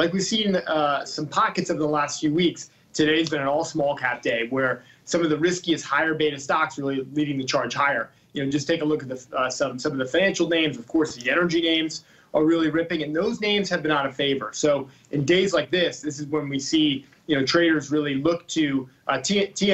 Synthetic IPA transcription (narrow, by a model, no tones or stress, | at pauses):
laɪk̬wiv̥sĩn̩ʌsʌ̃mpʰɑkɨtsoʊvə˞ðəlæstfjʉwiks | tʰɨdeɪzbɨ̃nɨ̃nɔlˠsmɔlˠkʰæp̚d̥eɪwə˞ | sʌ̃mʌvðɨɹɪskiɨst̚haɪə˞beɪɾɨd̥stɑksɹɪlˠiliɾɪ̃ŋðɨt͡ʃʰɑɹd̥ʒ̥haɪə˞ | jɨnoʊd͡ʒʌstʰeɪkəlʊkɨt̪̚ðɨʌsʌ̃msʌ̃mʌvðɨfãɪñæ̃nʃl̩ˠnẽɪ̃mzʌv̥kʰɔɹsðiɛnə˞d͡ʒinẽɪ̃mz | ʔə˞ɹɪlˠiɹɪpɪ̃ŋɨ̃nðoʊznẽɪ̃mz̥ɨvbɨ̃ñəɾɨfeɪvə˞soʊ | ʔɨ̃ndeɪzlaɪk̚ðɪsðɪs̬ɨzwə̃nwisi | jɨnoʊtʰɹ̥eɪɾə˞zɹɪlˠilʊk̚tʰʉʔtʰitʰi